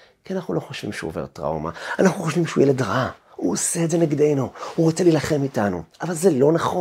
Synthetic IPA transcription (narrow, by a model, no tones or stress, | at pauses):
kianaχnulo̞χoʃvḭmʃeove̞̰ʁtʁa̰ṵma̰anaχuχoʃvimʃeujeledʁa | uoseːdzeneɡdejnuuʁot͡selilaχe̞mitanṵʔavalzelo̞naχo